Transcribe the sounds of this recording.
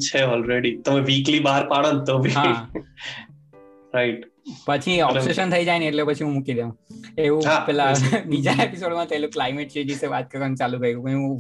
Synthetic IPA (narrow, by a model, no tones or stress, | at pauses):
t͡ʃʰeɔːlɾeɖit̪əmẽʋiːklibaəɾpaɽənt̪obʱiɦã | ɾaiʈ | pət͡ʃʰiɔpseʃənt̪ʰəid͡ʒaineʈleopət͡ʃʰiɦũmukid̪eũeʋũɦapɛlabid͡ʒaepisoːɖmãt̪əiloklaɪmeʈ̚t͡ʃed͡ʒiseʋat̪kəkənt͡ʃalukəjɡukəũ